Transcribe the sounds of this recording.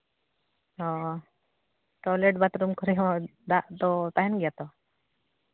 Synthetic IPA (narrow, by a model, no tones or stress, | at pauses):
ɔ | ʈɔleʈbat̪ɾumkʰɔɾiad̪aʔt̪ɔt̪aɦinɡjat̪ɔ